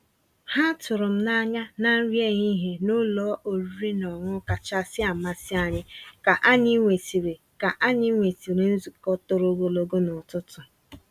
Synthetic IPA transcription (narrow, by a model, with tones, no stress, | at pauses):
ha˦tʊ˨ɾʊ˨m̩˦na˦ɲa˦na˦n̩˦ɾje˦ɲi˦ɦe˨nʊ˦lɔː˨˦ʔo˨ɾu˦ɾi˦nɔ˨ŋʷʊ˦ka˨t͡ʃa˦sɪ˦a˨ma˦sɪ˦a˨ɲɪ˦ka˨ʔa˦ɲi˦ŋʷe˨ti˨ɾe˨ | ka˨ʔa˦ɲi˦ŋʷe˨ti˨ɾe˨n̩˦zu˨kɔ˦tʊ˨ɾo˦ɡo˨lo˨ɡo˦nɔ˨tʊ˦tʊ˨